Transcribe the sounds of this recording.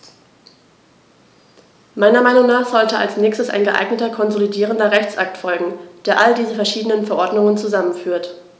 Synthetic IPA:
maɪnɐmaɪnʊŋnaːχz̥ɔltəa̰lsnɛːçstəsa̰ɪnɡəʔa̰ɪɡnətɐkʰɔnzolidiːʁ̞əndɐʁɛçt͡sʔak̚tfɔlɡŋ̩d̥eːɐʔaldiːzəfɛɐʃiːdənənfɛɐʔɔɐdnʊŋənt͡suzamənfyːɐt

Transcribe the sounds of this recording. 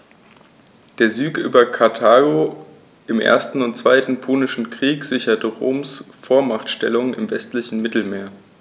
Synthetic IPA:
d̥eːɐzyːkʔy̰ːbɐkʰaɐtʰaːɡo | ʔɪmʔḛːɐstn̩ʊntt͡sv̥aɪtn̩pʰoːnɪʃn̩kʁ̥iːkz̥ɪçɐtəʁo̰ːmsfoːɐmaχtʃtɛ̰lʊŋənɪmvɛstlɪçn̩mɪtl̩meːɐ

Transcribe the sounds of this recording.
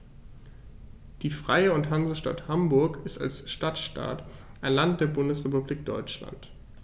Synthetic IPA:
d̥iːfʁ̥aɪəʊnthanzəʃta̰thambʊɐkɪsta̰lsʃtatʃta̰ːtʔaɪnlant̚d̥eːɐbʊndəsʁepubliːk̚d̥ɔʏt͡ʃla̰nt

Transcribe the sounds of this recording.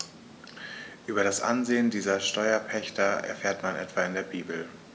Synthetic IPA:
ʔyːbɐɾasʔa̰nzeːəndiːzɐʃtɔʏɐpʰɛçtʰɐɛ̰ɐfeːɐtmanʔɛ̰tv̥aːɪndeːɐbiːbl̩

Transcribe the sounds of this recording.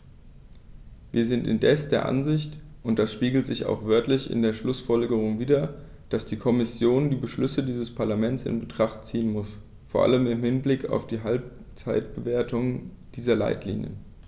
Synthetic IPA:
vḭːɐzɪntɪ̰ndɛsd̥eːɐʔa̰nzɪçtʔʊnt̚d̥asʃpiːɡl̩tz̥ɪça̰ʊxv̥œɐtlɪçɪ̰ndeːɐʃlʊsfɔlɡəʁ̞ʊŋviːdɐ | d̥asd̥iːkʰɔmɪsjoːndiːbəʃlʏsədiːzəspʰaɐlamɛnt͡sɪ̰nbətʁ̥aχtt͡siːənmʊs | foːɐʔa̰ləmɪmhɪnblɪkʰa̰ʊfd̥iːɦalp̚ | t͡saɪt̚b̥əveːɐtʰʊŋə | d̥iːzɐla̰ɪtʰlḭːnjə̰n

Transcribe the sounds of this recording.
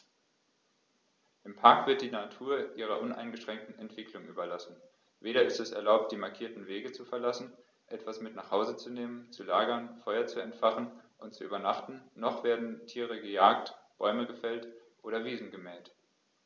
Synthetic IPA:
ʔɪmpʰaɐkv̥ɪɐt̚d̥iːnatʰuːɐʔiːʁ̞ɐʔʊnʔa̰ɪnɡəʃʁ̥ɛŋk̚tn̩ɛntv̥ɪklʊŋʔyːbɐlasn̩ | veːɾɐɪstɛsɛ̰ɐlaʊp̚t̚d̥iːmaɐkʰiːɐtn̩veːɡət͡sufɛɐlasn̩ | ʔɛtv̥asmɪtnaːχhaʊzət͡suneːmənt͡sulaːɡɐnfɔʏɐt͡suɛntfaχn̩ʔʊntt͡suʔyːbɐnaχtn̩ːɔχv̥eːɐdn̩tʰiːʁ̞əɡəjaːk̚tb̥ɔʏməɡəfɛltʔoːɾɐviːzn̩ɡəmɛːt

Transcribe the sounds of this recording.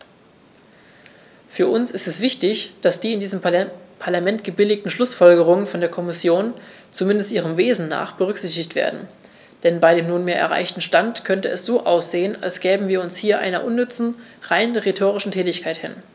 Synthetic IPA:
fyːɐʔʊnsɪstɛsv̥ɪçtɪçd̥asd̥iːɪndiːzəmpʰaɐlamɛntɡ̥əbɪlɪk̚tn̩ʃlʊsfɔlɡəʁ̞ʊŋənfɔndeːɐkʰɔmɪsjoːn | t͡sumɪndəstʔiːʁ̞əmveːzn̩na̰ːχb̥əʁ̞ʏkz̥ɪçtɪçtv̥ḛːɐdn̩ | d̥ɛnbaɪdeːmnuːnmeːɐʔɛ̰ɐʁa̰ɪçtn̩ʃtantkʰœntəʔɛsz̥oːʔaʊsz̥eːəna̰lsɡ̥ɛːbm̩viːɐʊnshiːɐʔa̰ɪnɐʔʊnːʏt͡sn̩ʁaɪnʁetʰoːʁ̞ɪʃn̩tʰɛːtɪçkʰaɪthɪ̰n

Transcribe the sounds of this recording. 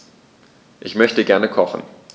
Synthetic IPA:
ʔɪçmœçtəɡɛɐnəkʰɔχn̩

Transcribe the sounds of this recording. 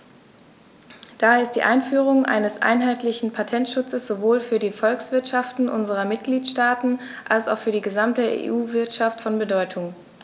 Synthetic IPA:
d̥abɛɪstd̥ḭːʔaɪnfyːʁ̞ʊŋʔa̰ɪnəsʔa̰ɪnɦaɪtlɪçn̩pʰatʰɛntʃʊt͡səsz̥ovoːlfyːɐdiːfɔlksv̥ɪɐtʃaftn̩ʔʊnzəʁɐmɪt̚ɡ̥liːtʃtaːtn̩ | ʔalsa̰ʊxfyːɐdiːɡəzamtəḛːʔuːvɪɐtʃaftfɔnbədɔʏtʰʊŋ

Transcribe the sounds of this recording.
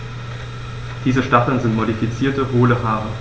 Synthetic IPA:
d̥iːzəʃtafl̩nzɪntmoɾifit͡siːɐtəɦoːləfaːʁɐ

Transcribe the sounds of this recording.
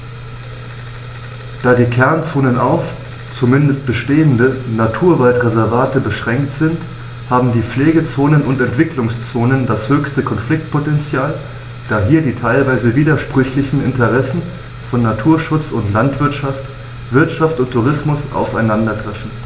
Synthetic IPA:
d̥aːdiːkʰɛɐnt͡soːnənʔaʊf | t͡sumɪndəst̚b̥əʃteːəndənatʰuːɐvaltʁezɛɐvaːtəbəʃʁ̥ɛŋktz̥ɪnt | haːbm̩diːp͡fleːɡət͡soːnənʊntɛntv̥ɪklʊŋst͡soːnəndashøːçstəkʰɔnflɪk̚t̚pʰotɛnt͡sjaːl | d̥aːɦiːɐdiːtʰaɪlvaɪzəviːdɐʃpʁ̥ʏçlɪçn̩ɪntəʁɛsn̩ | fɔnːatʰuːɐʃʊt͡sʊntlantv̥ɪɐtʃaft | v̥ɪɐtʃaftʊntʰːuʁ̞ɪsmʊsʔa̰ʊfaɪnandɐɡʁɛfn̩

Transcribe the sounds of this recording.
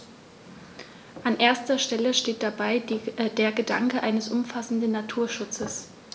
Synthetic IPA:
ʔanʔeːɐstɐʃtɛləʃteːt̚d̥abaɪd̥eːɐɡəda̰ŋkəʔaɪnəsʔʊmfasn̩dən̩natʰuːɐʃʊt͡səs

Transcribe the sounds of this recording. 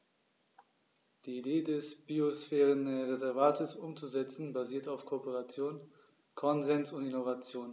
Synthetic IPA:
d̥iːideːdɛsb̥iosfɛːʁənʁezɛɐvaːtʰəsʔʊmt͡suzɛt͡sn̩baziːɐtaʊfkʰopəʁat͡sjoːn | kʰɔnzɛnsʊntɪnovat͡sjoːn

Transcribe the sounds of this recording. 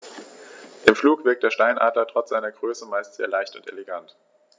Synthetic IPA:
ʔɪmfluːkv̥ɪɐk̚td̥eːɐʃtaɪnʔa̰ːdlɐtʁ̥ɔt͡sz̥aɪnɐɡʁøːsəmaɪstz̥eːɐlaɪçtʊntḛleɡant

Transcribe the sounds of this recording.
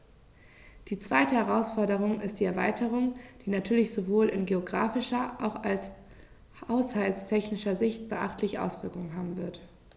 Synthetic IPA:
d̥iːt͡sv̥aɪtəhɛʁaʊsfɔɐdəʁ̞ʊŋɪst̚d̥iːɛɐvaɪtʰəʁ̞ʊŋd̥iːnatʰyːɐlɪçz̥ovoːlɪnɡeoɡʁa̰ːfɪʃɐʔaʊxals | haʊshaltstʰɛçnɪʃɐzɪçt̚b̥əʔa̰χtʰlɪçəʔa̰ʊsv̥ɪɐkʊŋənɦaːbm̩vɪɐt

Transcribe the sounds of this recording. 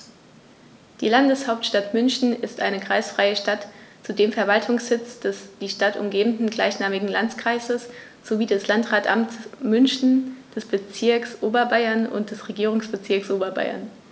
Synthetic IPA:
d̥ḭːlandəshaʊp̚tʃtatmʏnçn̩ɪstʔaɪnəkʁ̥aɪsfʁ̥aɪəʃtatt͡sudeːmfɛɐvaltʰʊŋshɪt͡sd̥ɛsd̥iːʃtatʊ̰mɡeːbn̩dn̩ɡlaɪçnaːmɪɡŋ̩lant͡skʁ̥aɪzəs | z̥oviːdɛslantʁaːtʔa̰mt͡smʏnçn̩d̥ɛsb̥ət͡sɪɐksʔoːbɐbaɪɐnʊ̰nt̚d̥ɛsʁeɡiːʁ̞ʊŋsb̥ət͡sɪɐksʔoːbɐba̰ɪɐ̰n

